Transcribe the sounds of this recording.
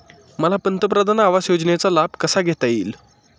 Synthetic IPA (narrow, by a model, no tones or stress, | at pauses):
məlapənt̪əpɾəd̪ʱanaʋasjod͡znjet͡salab̚ʱkəsaɡʱet̪aiːl